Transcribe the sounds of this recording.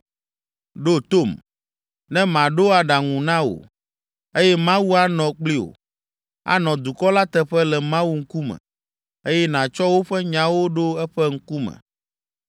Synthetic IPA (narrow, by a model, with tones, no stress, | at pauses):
ɖo˦t̪o˦˨m | nɛ̃˦mã˨ɖo˦a˨ɖa˨ŋũ˨nã˦wo̰˨ | e˦jɛ˦mã˦wu˦a˦nɔ̃˨k͡pli˦o̰˨ | a̰˨˦nɔ̃˨d̪u˨kɔ˦la˦t̪ɛ˦ɸɛ˦lɛ˨mã˦wu˦ŋ̩˦ku˦mɛ̰̃˨ | e˦jɛ˦nã˨t͡ʃɔ˦wo˦ɸɛ˦ɲã˨wo˦ɖo˦ɛ˦ɸɛ˦ŋ̩˦ku˦mɛ̰̃˨